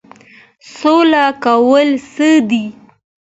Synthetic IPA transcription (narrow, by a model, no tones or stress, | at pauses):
solakawəlsəd̪i